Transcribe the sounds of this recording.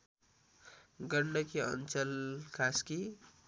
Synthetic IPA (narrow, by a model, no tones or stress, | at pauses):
ɡʌɳɖʌkiʌ̰nt͡sʌlkaski